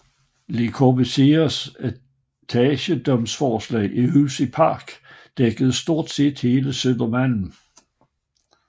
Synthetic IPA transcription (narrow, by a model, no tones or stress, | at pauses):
lekʰobəsesæ | t͡sʰɛɕəd̥ɒ̽msfɒːslɛ̰ːʔiysipʰɑ̈ːɡ̥d̥eɡ̥əð̞̩ˠsd̥o̝ɐ̰d̥se̝̰d̥he̝ːləsøn̰d̥ɐmæn̰n̩